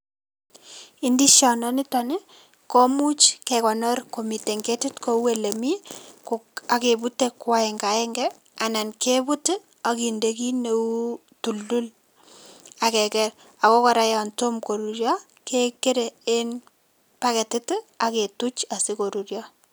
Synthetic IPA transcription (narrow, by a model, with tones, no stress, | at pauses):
i˦ndi˦ʃɔ˨nɔ˦nɪ˦tɔne˦ | kɔ˦mu˦t͡ʃkekɔ˨nɔ˦ɾko˨mi˨te˨ŋɡe˦tɪ˦tko˦we˨le˨mikoa˨ke˨bu˦te˦kwa˦ɛŋɡa˨ɛ˦ŋɡɛ | a˨na˨nke˦bu˦t | a˨ki˨ndeki˦ne˨u˦ | tu˨ldu˦l | a˨kɛ˨kɛ˨ɾ | a˨kɔ˦kɔ˨ɾa˦jɔ˨nto˦mko˨ɾu˨ɾjɔ˦ | kʰe˦ke˦ɾe˨e˦n | pa˦kɛ˨tɪ˦ta˨ke˨tu˦t͡ʃa˨siko˨ɾu˨ɾjɔ˦